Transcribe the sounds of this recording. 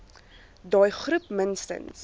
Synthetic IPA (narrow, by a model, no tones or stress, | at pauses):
dɑːjχrupmənstə̰ns